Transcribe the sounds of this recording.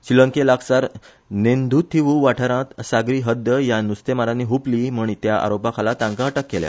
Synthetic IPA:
ɕilə̃ŋkelaksaɾ | nend̪ʱut̪ʰːiʋuʋaʈʰəɾãt̪saɡɾiːɦəd̪jəjanust̪emaɾãnːiɦupliːmuɳ̃it̪jaʔa̰ɾopakʰalat̪ãŋkaɦəʈəkːelja̰

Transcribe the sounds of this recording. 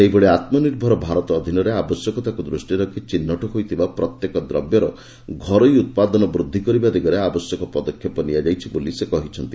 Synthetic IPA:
seɦibeɭeat̪mɔniɾbʱɔɾɔbʱaɾɔt̪ɔːd̪ʱinɔɾeabɔsjɔkɔt̪akud̪ɾusʈiɾɔkʰit͡ʃinːɔʈɔɦojt̪ʰibapɾɔt̪jekɔd̪ɾɔbjɔɾɔ | ɡʱɔɾɔjut̪̚pad̪ɔnɔbɾud̪ʱːikɔɾibad̪eɡɔɾeabɔsjɔkɔpɔd̪ɔkʰːjɔpɔniad͡ʒajt͡ʃʰibolisekɔɦit͡ʃʰɔnt̪i

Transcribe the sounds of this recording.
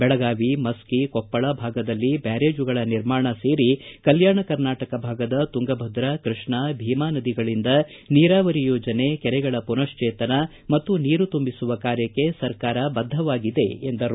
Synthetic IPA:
bɛɭɐɡaːʋimɐskikɔpːɐɭɐbʱaːɡɐd̪ɐlːibaːɾeːd͡ʒuɡɐɭɐniɾmaːɳɐse̞ːɾikɐljaːɳɐkɐɾnaːʈɐkɐbʱaːɡɐd̪ɐt̪uŋɡɐbʱɐd̪ɾɐkɾɨʂɳɐbʱiːmaːnɐd̪iɡɐɭind̪ɐ | niːɾaːʋɐɾijoːd͡ʒɐnekɛɾɛɡɐɭɐpunɐʂt͡ʃeːt̪ɐnɐ | mɐt̪ːuniːɾut̪umbisuʋɐkaːɾjɐkːe̞sɐɾkaːɾɐbɐd̪ʱːɐʋaːɡid̪e̞end̪ɐɾ

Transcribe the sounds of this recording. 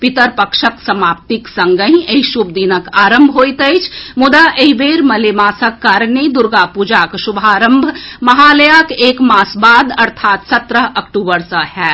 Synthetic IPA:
pit̪əɾpəkʃəksəmaːp̚t̪iksə̃ŋɡəɦeɦiʃubd̪inəkaːɾəmbʱɦojt̪əɪt͡ʃʰmud̪aʔeɦibeɾməlemaːsəkːaɾned̪uɾɡapud͡ʒakʃubʱaɾəmbʱmɐɦaləjakeːkmasbaːd̪ɐɾt̪ʰaːt̪sət̪ɾəɦɐkʈuːbəɾsə̃hɛː

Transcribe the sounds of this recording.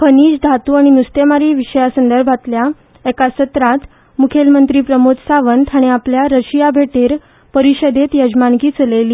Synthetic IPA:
pʰəniːd͡ʑd̪ʱat̪uːaɽ̃inust̪emaɾiːʋiɕəjasənd̪əɾbʱat̪lja | ekasət̪ɾat̪ | mukʰelmənt̪ɾiːpɾəmot̪saʋənt̪ʰaɽ̃iapljaɾəɕijabʱeʈeɾ | pəɾiɕəd̪et̪jəd͡ʑmankiːt͡səleliː

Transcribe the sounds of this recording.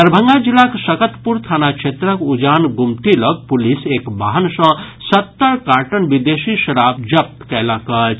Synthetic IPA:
əɾbʱə̃ŋɡad͡ʒilːaksəkət̪puɾt̪ʰanakt͡ʃʰet̪ɾəkud͡ʒanɡumʈiləɡ̚pulisekbaɦənsə̃sət̪ːəɾkaʈənbid̪esiʃəɾabd͡ʒəp̚t̪kɛləkət͡ʃʰ

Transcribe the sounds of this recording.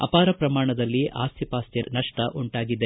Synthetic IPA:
ɐ̰paːɾɐpɾɐmaːɳɐd̪ɐlːiʔaːst̪ʰipaːst̪jɐnɐʂʈɐʔuɳʈaːɡid̪e

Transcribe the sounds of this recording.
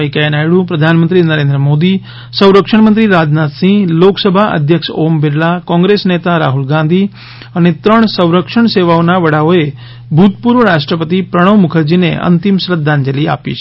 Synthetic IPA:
ikajnaːjɽupɾɐd̪ʱaːnmə̃nt̪ɾinəɾeːnd̪ɾəmoːd̪i | sɐ̃w̃ɾəkʂəɳ̃mənt̪ɾiɾaːd͡ʒnaːt̪sĩɡloːksəbʱaʔə̰d̪ʱjəkʃoːmbɪɾlakɔ̃ːŋɡɾeːsneːt̪aɾa̰ːɦulɡãːnd̪ʱi | ɐnet̪ɾəɳ̃sə̃w̃ɾəkʂəɳ̃seːʋaonaʋɐɽaʋoe | bʱut̪̚puɾʋəɾaːʂʈɾəpət̪ipɾəɽ̃əʋmʊkʰəɾd͡ʒinḛʔɐ̰nt̪imsɾəd̪ʱːaːnd͡ʒɐlia̰ːpḭt͡ʃʰ

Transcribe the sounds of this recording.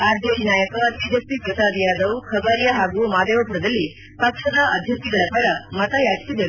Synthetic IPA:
aːɾd̪ʱekinaːjɐkɐid͡ʒɐspipɾɐsaːd̪ijaːd̪ɐwkʰɐɡaːɾjaɦaːɡumaːd̪eːʋɐpuɾɐd̪ɐlːi | pɐkʂɐd̪ɐʔɐd̪ʱjɐk̚t̪iɡɐɭɐpɐɾɐmɐt̪ɐjaːd͡ʒɐ̥siɡɐɭu

